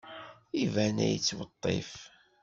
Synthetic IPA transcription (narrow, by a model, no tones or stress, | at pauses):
ivænæ̰jət͡sːwət̪ˤːḛf